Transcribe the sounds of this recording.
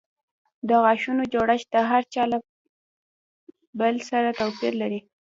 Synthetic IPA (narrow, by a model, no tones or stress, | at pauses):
d̪əɣɑʃunod͡ʒoɽaʃt̪aɦaɾt͡ʃɑla | bəlsaɾat̪awpiɾlaɾi